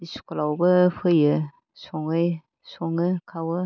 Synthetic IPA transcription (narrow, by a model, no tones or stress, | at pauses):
isu̥kʰɔlawbɯpʰɯjɯ | sɔŋɯj | sɔŋɯkʰawɯ